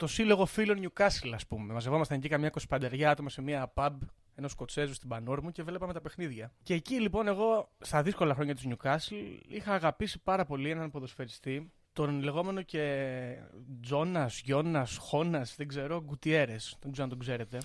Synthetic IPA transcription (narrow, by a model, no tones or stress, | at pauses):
t̪o̞silo̞ɣo̞filo̞nɲukɐsilɐspume̞mɐzevo̞mɐst̪eɲɟikɐmɲɐko̞spɐnd̪eɾʝɐɐt̪o̞mɐse̞miɐːpɐb | e̞no̞sko̞t͡se̞zust̪ibɐnoɾmuce̞velepɐme̞t̪ɐpe̞xniðʝɐce̞ːcilipo̞ne̞ɣo̞st̪ɐðisko̞lɐxɾo̞ɲɐt̪izɲukɐsilixɐːɣɐpisipɐɾɐpo̞lie̞nɐnpo̞ðo̞sfe̞ɾist̪i | t̪o̞nle̞ɣome̞no̞ce̞ | d͡zo̞nɐsʝo̞nɐsxo̞nɐsðeɡze̞ɾo̞ɡut̪ie̞ɾe̞st̪oɡzeɾnt̪oɡze̞ɾe̞t̪e̞